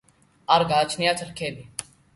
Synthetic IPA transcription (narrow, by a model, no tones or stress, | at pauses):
aɾɡaːt͡ʃʰnɪjaːt͡ʃəlkʰeːbi